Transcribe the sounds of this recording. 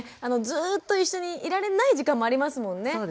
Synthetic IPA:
ano̞zɨːt̪ːo̞iɕːo̞ɲ̟iiɾaɾe̞naiʑikãmːo̞aɾʲimasɨmõ̞nːe̞oːd

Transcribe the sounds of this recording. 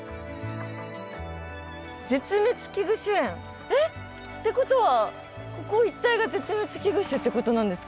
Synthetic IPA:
d͡ze̞t͡sɨmet͡sɨ̥kʲiɡɯ̟ɕɨẽ̞ŋ | e | t̪ːe̞ko̞t̪o̞βa | ko̞ko̞it̪ːaiɡaze̞t͡sɨmet͡sɨ̥kʲiɡɯ̟ɕɨt̪ːe̞ko̞t̪o̞nãnd̪e̞sɨ̥k

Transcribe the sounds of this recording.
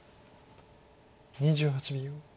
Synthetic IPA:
ɲid͡ʑɨɦat͡ɕibʲi

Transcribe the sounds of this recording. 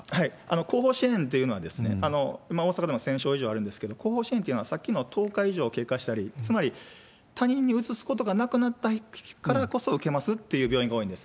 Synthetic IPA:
haiano̞ko̞ːɦo̞ːɕiẽ̞nt̪̬ːe̞jɯ̟no̞βa̰d̪e̞sɨne̞̰ano̞imaoːsakad̪emosẽ̞ɕo̞ːiʑoːβaɾɯ̟̃nd̪esɨ̥ke̞d̪o̞ko̞ːɦo̞ːɕiẽneiɯ̟noasakʲːino̞t̪ʰo̞ːkaiʑo̞ːke̞ːkaɕi̥t̪aɾʲit͡sɨmaɾʲi | t̪aɲ̟ĩɲ̟ːiɯ̟t͡sɨsɨ̥ko̞t̪o̞ɡanakɯ̟nat̪ːakaɾako̞so̞ɯ̟ke̞masɨt̪ːe̞jɯ̟ːbʲjo̞ːĩŋɡaoːĩnd̪e̞sɨ̥

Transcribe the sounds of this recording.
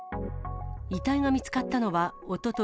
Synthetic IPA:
it̪aiɡamʲit͡sɨ̥kat̪ːano̞βaot̪o̞t̪o

